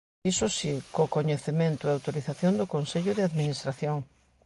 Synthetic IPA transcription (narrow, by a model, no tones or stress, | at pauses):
isʊsikokoɲeθemẽnt̪ʊeawt̪oɾiθaθjond̪ʊkonseʎʊðɪaðminist̪ɾaθjoŋ